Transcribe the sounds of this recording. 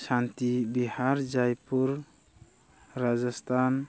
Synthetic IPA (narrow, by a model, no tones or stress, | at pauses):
sant̪ibihaɾd͡ʒajpuɾ | ɾad͡ʒast̪ʰan